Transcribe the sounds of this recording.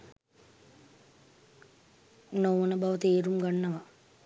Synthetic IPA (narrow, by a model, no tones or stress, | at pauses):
nowɐnɐbɐʋɐt̪eːɾumɡanːɐʋɐ